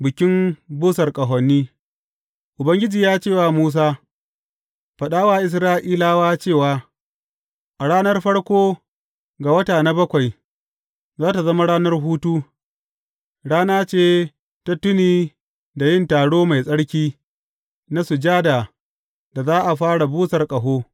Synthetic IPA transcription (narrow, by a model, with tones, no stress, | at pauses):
bɪ˨kʲɪ˦mbʊː˦sɐ˨rkʼɐ˨ɦɔ˨nːiː˦ | ʔʊ˨bɐ˦ŋɡʲɪ˦d͡ʒiː˨jaː˦t͡ʃeː˦˨waː˨muː˦s̬aː˦ | ɸɐ˨ɗaː˦waː˦ʔɪ˨s̬ɾaː˦ʔiː˦laː˦waː˦t͡ʃeː˦˨waː˦ | ʔa˨ɽaː˦nɐ˦rɸɐ˦ɽkʷoː˦ | ɡa˨wɐ˦taː˨na˦bɐ˦kʷa˨j | zaː˦ta˨zɐ˦ma˦ɽaː˦nɐ˦rɦuː˦tuː˦ | ɽaː˦naː˦t͡ʃeː˦˨ | ta˦tʊ˦niː˨ | da˨jɪ˦ntaː˨ɽoː˦ma˨jsʼɐ˦ɽkʲiː˦ | na˦sʊ˨d͡ʒaː˦da˨ | da˨zaː˦ʔa˨ɸaː˦ɽa˨buː˦sɐ˨rkʼɐ˨ɦoː˦